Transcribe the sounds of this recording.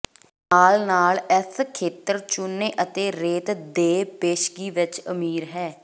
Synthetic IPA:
naːlnaːlɪskʰeːt̪əɾt͡ʃʊnːeːʔət̪eːɾeːt̪d̪eːpeːʃɡiːʋɪt͡ʃə̰miːɾɦɛː

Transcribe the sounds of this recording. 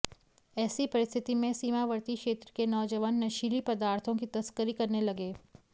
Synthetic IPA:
ɛːsipɐɾɪst̪ʰɪt̪imẽsiːmaʋɐɾt̪ikʃeːt̪ɾəkenɔːd͡ʒəʋənːɐʃiːlipɐd̪aːɾt̪ʰõkit̪ɐskəɾikɐɾnelɐɡeː

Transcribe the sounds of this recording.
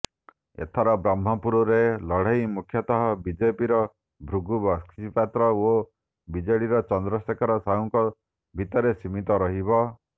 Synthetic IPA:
ḛt̪ʰɔɾɔbɾam̤ːɔpuɾɔɾelɔɽ̤ajmukʰjɔt̪ɔɦɔbid͡ʒepiɾɔ | bʱɾuɡubɔskipat̪ɾɔo | bid͡ʒɔɽiɾɔt͡ʃɔnd̪ɾɔsekʰɔɾɔsaɦuŋkɔ | bʱit̪ɔɾesimit̪ɔɾɔɦibɔ

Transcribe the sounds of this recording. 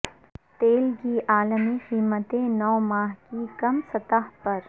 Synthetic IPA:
t̪eːlkiʔaːlmiqiːmət̪ẽnɔːmaːɦkikɐmsɐt̪əɦpɐɾ

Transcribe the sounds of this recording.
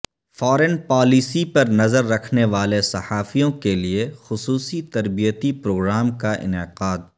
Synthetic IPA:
fɔːɾɛnpaːlisipɐɾnɐzəɾːɐkʰneʋaːlesɐhaːfijõkeliexʊsuːsit̪ɐɾbijət̪ipɾoːɡɾaːmkaʔɪ̰nɪqaːd̪̚

